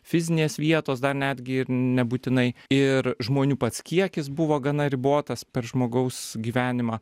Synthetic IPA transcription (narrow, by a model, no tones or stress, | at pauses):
fʲɪzʲɪnʲeːsʋʲiɛt̪oːs̬d̪ɐɾnʲæːd̪ʲɡʲɪɪɾnʲɛbuːt̪ʲɪnɐɪɪɾʒmoːnʲuːpɐt̪skʲiɛkʲɪsbʊʋoːɡɐnɐɾʲɪboːt̪ɐspʲɛɾʒmoːɡɐʊsɡʲiːʋʲæːnʲɪmɑː